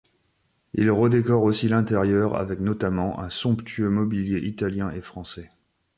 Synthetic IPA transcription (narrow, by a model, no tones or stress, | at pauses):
ilʁəd̪ekɔʁosilɛ̃t̪ɛʁjœʁa̰vɛknɔt̪amɑ̃ʔɛ̃sɔ̃pt̪yømɔbiljeʔit̪aljɛ̃ʔefχɑ̃sɛ